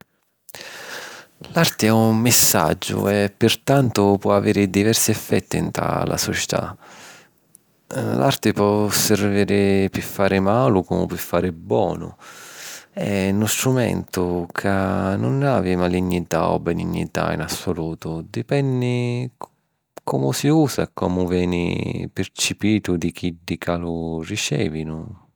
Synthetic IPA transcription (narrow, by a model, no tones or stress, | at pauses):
lart̪ɪɛumːɪsːa̰d͡ʒːʊ̰ɛpːɪrt̪ant̪ʊpwɔaveːɾɪd̪ivɛrsiɛfːɛt̪ːint̪ɾa̰la̰sɔt͡ʃɪ̥t̪a̰ | lʔart̪ɪpwɔsɛɾviːɾɪpɪfːaːɾɪmaːlʊkumʊpɪfːaːɾɪbːwɔ̰ːnʊ̰ | ɛnʊst̪ɾumɛ̰nt̪ʊkʰanːʊnaːvimaliɲːit̪aɔ̰bɛnḭɲːḭt̪a̰ḭnasːʊluːt̪ʊd̪ipɛnːɪ | kʰɔmʊsiuːsakɔmʊvjɛːnɪ̰pɪɾt͡ʃipiːt̪ʊd̪ik̟ʰiɖːikʰalurit͡ʃɛ̰ːvinʊ